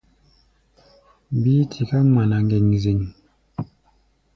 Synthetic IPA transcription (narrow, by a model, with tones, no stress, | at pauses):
bi˦tʰi˨ka˦ma˨na˨ŋɡe˨ŋzi˨ŋ